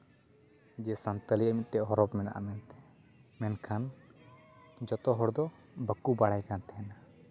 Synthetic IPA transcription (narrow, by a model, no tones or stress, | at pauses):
d͡ʒɛsant̪əliamit̪̚ˀʈɛʔɦɔɾɔpmɛna̰ʔa̰mɛnt̪ɛ̥ | mɛnkʰan | d͡ʒɔt̪ɔɦɔɽd̪ɔ | bəkːubaɽajkant̪ɛɛna